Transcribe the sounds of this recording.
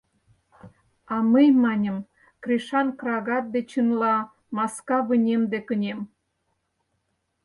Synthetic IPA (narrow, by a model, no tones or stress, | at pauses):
ɑməjmɑnʲə̆m | kriʃɑnkrɑɣɑt̪̚d̪et͡ɕɯnlɑ | mɑskɑβənʲemd̪ekə̆nʲem